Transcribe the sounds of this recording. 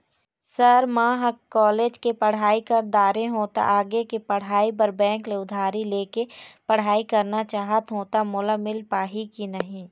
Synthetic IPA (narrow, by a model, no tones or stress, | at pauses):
səɾmãːɦəkːɔːleːd͡ʒkepəɽ̤aːikəɾd̪aːɾeɦoːt̪a̰ʔaːɡekepɐɽ̤aːipəɾbɛ̃ːŋkleʊd̪ʱaːɾileːkepɐɽ̤aːikɐɾnat͡ʃaːɦət̪ɦoːt̪amʊləmɪlpaːɦikinəɦĩː